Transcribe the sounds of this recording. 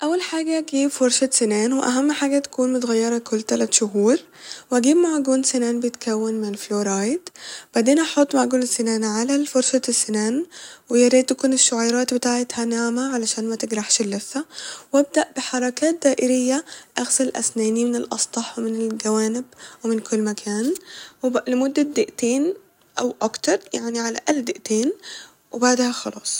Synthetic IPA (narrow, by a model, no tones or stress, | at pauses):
ʔæwːælħaːɡæʔɡiːbfoɾˤʃæsenæːnweʔæ̰ɦæmːħaːɡæt̪æ̥kuːnmot̪aɣæjːɑɾˤɑkʊlːt̪ælæt̪ʃʊɦuːɾ | wʔæɡiːbmaʕɡuːnsenæːnbejet̪kʰæwːenmenelfloːɾˤɑːjd̪b̥aʕd̪eːnʔɑħot̪ˤːmaʕɡuːnsenæːnʕalæfoɾsæsːenæːnwejeɾeːt̪ːækʊneʃːoʕajɾˤɑːt̪̚bet̪aːʕet̪hænaʕmæʕalæʃæːnmæt̪ɪɡɾˤaħʃlːesːæwʔab̚d̪aʔb̥ɪħɑɾˤɑkaːt̪̚d̪aːʔɪɾɪjːaʔaɣsalʔa̰snaːnimɪnɪlʔɑ̰sˤt̪ˤɑħwmɪnɪlɡawaːnɪbwɪmɪnkʰʊlːmakʰaːnwɪlɪmʊd̪ːad̪ɪʔt̪eːn | ʔawʔakt̪ɑɾˤjaʕniʕala̰ʔald̪ɪʔt̪eːn | wɪbaʕd̪haxɑlɑ̰ːsˤ